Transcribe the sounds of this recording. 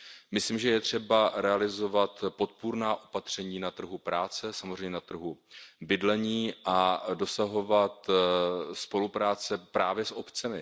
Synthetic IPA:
mɪsliːmʒɛjɛt̪r̝̥ɛbaɾɛalɪzo̞vat̪po̞t̪̚puɾnaːʔo̞pat̪r̝̥ɛɲiːnat̪r̩ɦupɾaːt͡sɛsamozrɛjɲɛnat̪r̩ɦubɪdlɛɲiːʔado̞saɦo̞vat̪ | spo̞lupɾaːt͡sɛpɾaːvjɛsʔo̞pt͡sɛmɪ

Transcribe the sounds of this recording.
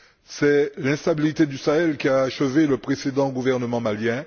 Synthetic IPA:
sɛlɛ̃st̪abilit̪ed̪ysaɛlkʲiaːʃəveləpχesed̪ɑ̃ɡuvɛʁnəmɑ̃maljɛ̃

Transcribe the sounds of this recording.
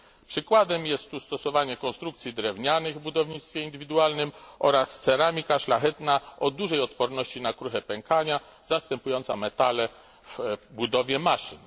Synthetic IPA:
pʂɘkwad̪ɛmjɛst̪ːust̪ɔsɔvaɲɛkɔnst̪ɾukt̪sʲjid̪ɾɛvɲanɘɣvbud̪ɔvɲit̪st̪fʲjɛind̪ɘvʲid̪ualnɘmʔɔɾast̪sɛɾamʲikaʂlaxɛt̪naʔɔd̪uʐɛjɔt̪pɔɾnɔɕt͡ɕinakɾuxɛpɛŋkaɲa | z̥ast̪ɛmpujɔnt̪sa̰mɛt̪alɛ | v̥bud̪ɔvʲjɛmaʂɘ̰n

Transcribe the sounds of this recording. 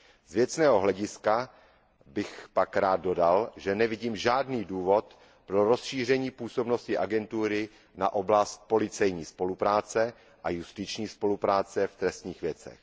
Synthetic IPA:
zvjɛt͡snɛːɦo̞ɦlɛɟɪska | bɪxpakɾaːd̪̚do̞dalʒɛnɛvɪɟiːmʒaːdniːduːvo̞t̪ | pɾo̞ɾo̞sʃiːr̝ɛɲiːpuːso̞bno̞scɪʔaɡɛnt̪uːɾɪ | na̰ʔo̞blast̪̚po̞lɪt͡sɛjɲiːspo̞lupɾaːt͡sɛ | ʔajust̪ɪt͡ʃɲiːspo̞lupɾaːt͡sɛft̪ɾɛst̪ɲiːxvjɛt͡sɛ̰x

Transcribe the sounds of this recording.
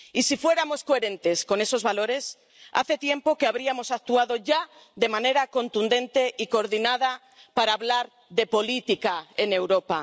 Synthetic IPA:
isifwe̞ɾamoskoeɾẽnt̪esko̞nesozβaloɾes | a̰θet̪je̞mpokeaβɾiamosak̚t̪uað̞oʝa | ðemãneɾako̞nt̪und̪ẽ̞nt̪eʔikooɾðinað̞a | paɾaːβlaɾ | ðepolit̪ikaenewɾopa

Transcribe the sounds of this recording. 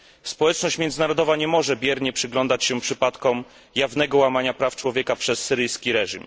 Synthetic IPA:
spɔwɛt͡ʂnɔɕt͡ɕmʲɛnd̪ɘnaɾɔd̪ɔvaɲɛmɔʐɛbʲjɛɾɲɛpʂɘɡlɔnd̪at͡ɕɕɛpʂɘpat̪kɔm | javnɛɡɔwamaɲapɾaft͡ʂwɔvʲjɛkapʂɛsːɘɾɘjskʲiɾɛʐim

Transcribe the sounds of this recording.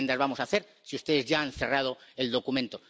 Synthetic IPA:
nd̪azβamo̞saθe̞ɾ | siust̪e̞ðe̞zʝaanθe̞rað̞o̞eld̪o̞kumẽnt̪o̞

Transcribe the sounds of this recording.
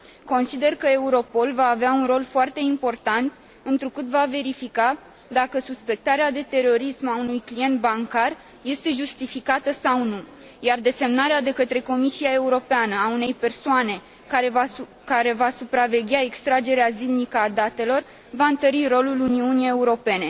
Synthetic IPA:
ko̞nsid̪e̞rkəe̞uɾo̞po̞lvaːveaunro̞lfoart̪e̞impo̞rt̪ant̪ | ɨnt̪ɾukɨt̪vave̞ɾifika | d̪akəsuspe̞k̚t̪aɾead̪e̞t̪e̞ɾo̞ɾismaunujklije̞nt̪̚baŋkar | je̞st̪e̞ʒust̪ifikat̪əsawnu | jard̪e̞se̞mnaɾead̪e̞kət̪ɾe̞ko̞misiae̞uɾo̞peanəaune̞jpe̞rsoane̞ | ae | kaɾe̞vasupɾave̞ɡʲae̞kst̪ɾad͡ʒe̞ɾeazilnikəad̪at̪e̞lo̞r | vaɨnt̪əɾiɾo̞luluniuniejeuɾo̞pe̞ne̞

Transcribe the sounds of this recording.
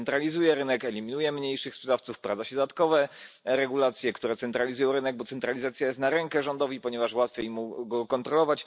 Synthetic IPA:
nt̪ɾalʲizujɛɾɘnɛkɛlʲimʲinujɛmɲejʂɘxspʂɛd̪aft̪sufpɾazaɕɛd̪ad̪at̪̚kɔvɛ | ɾɛɡulat̪sʲjɛkt̪uɾɛt̪sɛnt̪ɾalʲizujɔ̃w̃ɾɘnɛɡ̚bɔt̪sɛnt̪ɾalʲizat̪sʲjajɛst̪naɾɛŋkɛʐɔnd̪ɔvʲipɔɲɛvaʂwat̪fʲjejmuɡɔkɔnt̪ɾɔlɔvat͡ɕ

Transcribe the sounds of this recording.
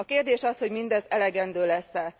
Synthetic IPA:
ɒkeːrd̪eːʃɒsho̞ɟmind̪ɛzɛlɛɡɛnd̪øːlɛsːɛl

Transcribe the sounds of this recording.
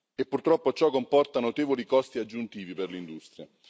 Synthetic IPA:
epːurt̪ɾɔpːot͡ʃɔkːompɔrt̪anot̪eːvolikɔst̪iad͡ʒːunt̪iːviperlind̪ust̪ɾja

